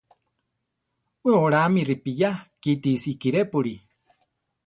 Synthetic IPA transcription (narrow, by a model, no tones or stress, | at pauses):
weoɾamiripijakit̪isiːkiɾepuɾi